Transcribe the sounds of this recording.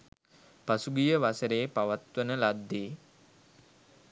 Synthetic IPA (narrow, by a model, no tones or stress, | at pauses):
pasuɡijəʋasəɾeːpaʋat̪ʋənəlad̪ːeː